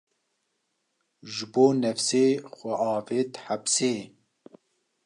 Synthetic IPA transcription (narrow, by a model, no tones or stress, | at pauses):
ʒɨboːnɛfseːxʷɛʔɑːveːt̪hapseː